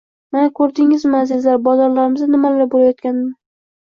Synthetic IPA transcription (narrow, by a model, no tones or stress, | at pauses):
manakʰɵɾd̪ɪŋɪzmazɪzlaɾbɒzaɾlaɾɪmɪzanɪmalaɾbolajɒt̪̚kʲanɪmɪ